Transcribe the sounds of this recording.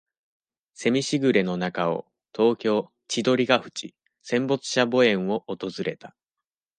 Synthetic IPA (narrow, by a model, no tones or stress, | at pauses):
se̞mʲiɕiɡɯ̟ɾe̞no̞nakao̞̰ | t̪o̞ːkʲo̞ː | t͡ɕid̪o̞ɾʲiɡaɸɯ̟̥t͡ɕi | sẽ̞mbo̞t͡sɨ̥ɕabo̞ẽ̞ɰ̃o̞ʔːt̪o̞zɨɾe̞t̪ḁ